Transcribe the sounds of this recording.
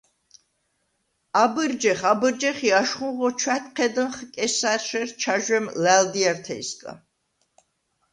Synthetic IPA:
abɨɾd͡ʒɛχabɨɾd͡ʒɛχiaʃχũnʁɔt͡ʃʰwɛt̪̚ʰqʰɛd̪ənχkʼɛsaʃɛɾt͡ʃʰaʒwɛmlæld̪iaɾt̪ʰɛ̰ḭskʼa̰

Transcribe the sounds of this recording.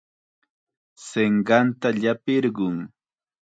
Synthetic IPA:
seɴɢɑnt̪aʎapɪɾɢʊŋ

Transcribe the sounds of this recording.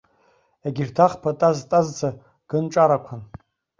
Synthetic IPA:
eɡʲirtʰaχpʰatʼaztʼazd͡zʰa | ɡ̥ɨnʈ͡ʂʼaɾakʷʰan

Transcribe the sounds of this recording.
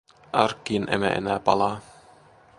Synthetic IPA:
ɑɾkːinʔḛmæ̰ʔḛnæːpɑ̰lˠɑː

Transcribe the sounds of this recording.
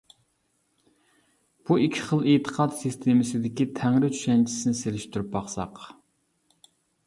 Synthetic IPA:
b̥uikʲʰɪ̥χəlˠet̪ʰə̥qʰɑt̪sɨst̪ʰemɨsɪd̪ɪkʲit̪ʰæŋɾɪt͡ʃʰy̥ʃɛnt͡ʃʰi̥sɪnɪselɪʃt̪uɾyp̚bɑχsɑ̰q

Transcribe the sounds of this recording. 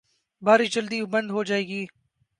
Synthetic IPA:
bʱaːɾid͡ʒɐld̪iːbɐ̃nd̪ɦod͡ʒaːeːɡiː

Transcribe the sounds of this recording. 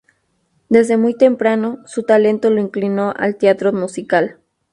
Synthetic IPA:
d̪e̞zðe̞mujt̪e̞mpɾano̞sut̪ale̞nt̪o̞loiŋklino̞ʔa̰lt̪eat̪ɾomusikal

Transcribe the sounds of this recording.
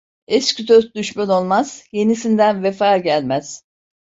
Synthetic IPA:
ɛscyd̪øzd̪yʃmæno̞lˠmaz̥je̞nisind̪ænvefaːɟælʲmæz̥

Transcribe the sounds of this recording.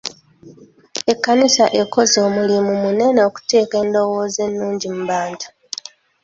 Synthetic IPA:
e̞kːanisaʔe̞kːo̞zo̞ːmulimumune̞neoku̥te̞ːke̞ːndo̞wo̞ːze̞nːuːɲɟimubaːntḁ

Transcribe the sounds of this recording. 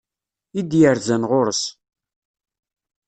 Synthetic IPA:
id̪jəɾzænʁʊɾəs

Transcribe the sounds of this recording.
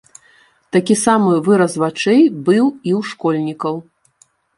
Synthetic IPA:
t̪akʲisamɨvɨɾɐsvat͡ʂɛjbɨwiwʂkɔlʲnʲikɐw

